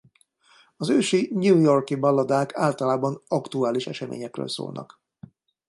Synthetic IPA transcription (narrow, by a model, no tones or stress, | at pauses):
ɒzøːʃiɲuːjorkibɒlːɒd̪aːkʰaːlt̪ɒlaːbɒnɒkt̪uaːliʃɛʃɛmḛːɲɛkrø̰ːlso̰ːlnɒ̰k